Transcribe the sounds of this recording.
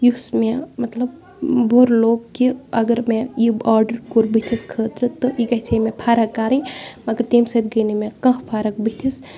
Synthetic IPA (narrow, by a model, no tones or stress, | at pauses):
jusmẽmɐt̪lɐb | bʱoːɾloːɡkiɐɡəɾmẽjiaːɾɖəɾkuɾbit̪ʰiskʰəːt̪ɾɨt̪ːoʔikɐsemẽpʰaːɾɐkːaːɾĩmɐɡəɾt̪eːmsɐt̪ɡɐjnimẽkɐ̃ɦpʰaːɾɐkbit̪ʰis